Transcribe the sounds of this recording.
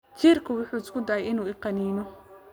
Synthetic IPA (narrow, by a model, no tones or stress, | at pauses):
t͡ʃirkʰʊwʊħuːɪskʰʊd̪ɐʕɛjɪnuːɪqɑniːmɔ